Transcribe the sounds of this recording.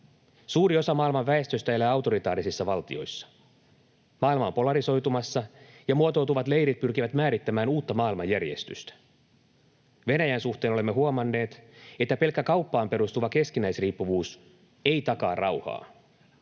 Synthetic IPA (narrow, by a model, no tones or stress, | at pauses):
suːɾio̞sɑmɑːilmɑʋʋæe̞st̪øst̪æelːæːɑwt̪o̞ɾit̪ɑ̰ːɾisisːɑʋɑlt̪ḭo̞̰jsːɑ̥ | mɑːilmɑo̰mpo̞lɑɾiso̞jt̪umɑsːɑjɑmuot̪o̞wt̪uʋɑt̪le̞jɾit̪̚pyrk̟iʋæt̪mæːɾit̪ːæmæːnuːt̪ːɑmɑːilmɑjːærje̞̰st̪y̰st̪æ̥ | ʋe̞næjænsuht̪e̞ːnole̞mːe̞ɦuomɑnːe̞ːt̪e̞t̪ːæpe̞lkːækɑwpːɑːmpe̞ɾust̪uʋɑke̞skinæjsriːpːuʋuːs | ejt̪ɑkɑːrʔɑwhɑ̰ː